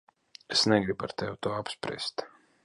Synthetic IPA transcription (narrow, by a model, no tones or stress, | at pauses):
esnɛɡɾibaɾt̪ɛwt̪uɔapspɾʲḭɛst̪